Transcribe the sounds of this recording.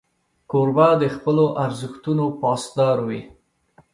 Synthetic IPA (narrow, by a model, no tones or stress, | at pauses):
koɾbad̪əxpəloʔaɾzəxt̪unopɑsd̪ɑɾwi